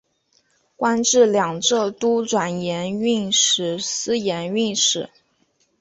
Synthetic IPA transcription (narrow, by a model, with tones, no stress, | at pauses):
kwa˥nʈ͡ʂɻ̩˥˩ljɑ˨˩ŋʈ͡ʂɤ˥˩t̪u˥ʈ͡ʂwa˨˩njɛ˧˥ny˥˩nʂɻ̩˨˩sɹ̩˥jɛ˧˥ny˥˧nʂɻ̩˨˩˦